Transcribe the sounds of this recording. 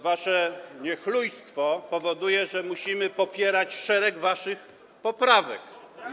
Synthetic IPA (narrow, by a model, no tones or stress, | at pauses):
vaʂɛɲɛxlujst̪fɔpɔvɔd̪ujɛʐɛmuɕimɘpɔpʲjɛɾat͡ɕfʂɛɾɛɡvaʂɘx | pɔpɾavɛ̰k